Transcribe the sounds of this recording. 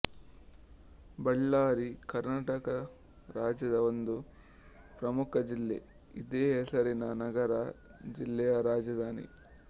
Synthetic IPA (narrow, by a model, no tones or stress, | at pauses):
bɐɭːaːɾikɐɾnaːʈɐkɐ | ɾaːd͡ʒjɐd̪ɐond̪u | pɾɐmukʰɐd͡ʒilːḛ | id̪eːɦɛsɐɾinɐnɐɡɐɾɐd͡ʒilːɛjɐɾaːd͡ʒɐd̪ʱaːnḭ